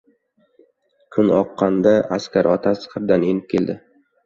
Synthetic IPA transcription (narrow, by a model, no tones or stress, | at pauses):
kʰʊnɒqːɑnd̪aʔaskʲaɾɒt̪ʰasχɨɾd̪ane̞nɪp̚kʲʰe̞ld̪ɪ